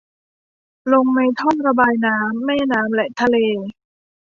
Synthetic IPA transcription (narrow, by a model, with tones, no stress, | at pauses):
lo˧ŋna˧jt̪ʰɔ˥˩ŋɾa˧baː˧jnaː˦˥mːɛː˥˩naː˦˥mlɛ˨˩ʔt̪ʰa˧leː˧